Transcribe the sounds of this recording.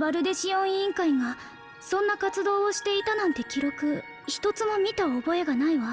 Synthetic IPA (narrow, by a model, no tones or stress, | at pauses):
baɾɯ̟d̪e̞ɕijõ̞ĩŋkaiŋa | sõ̞nːakat͡sɨd̪o̞ːoɕi̥t̪e̞it̪anãnt̪e̞kʲiɾo̞kɯ̟ | çi̥t̪o̞t͡sɨmo̞mʲit̪aobo̞e̞ɡanaiβa